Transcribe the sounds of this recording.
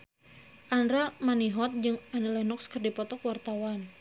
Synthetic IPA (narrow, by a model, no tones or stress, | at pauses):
ʔanɾamaniɦɔt̪̚d͡ʒɨŋanəlɛnɔkskərdipɔt̪ɔkwart̪awan